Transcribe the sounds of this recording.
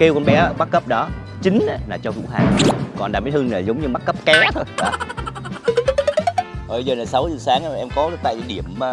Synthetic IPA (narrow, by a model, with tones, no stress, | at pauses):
ke˧wkɔ˧nɓɛ˨˦˧ɓa˦˥t̚kə˦˥p̚ɗɔ˨˦ | t͡ɕï˨˦ŋ̟ʔa˨˦laː˨˩t͡ɕɔ˧vṵ˧˥ɦa̰ː˨˩ŋkɔ˨˩nɗa̰ː˧˩mi˨˦thɨ˧ŋnə˨˩jzə˨˦wŋ͡mɲɨ˧ɓa˦˥t̚kə˦˥p̚kɛ˨˦t̪ʰo˧jɗɔ̰˨˧˦ | o˨˩ə˧jzəː˨˩naː˨˩jsa˨˦wzɨ˨˩saː˨˦ŋ˧˨ʔɛ˧mkɔ˨˦˨t̪a̰ː˧˨j̰ɗi˧˩əm˨˩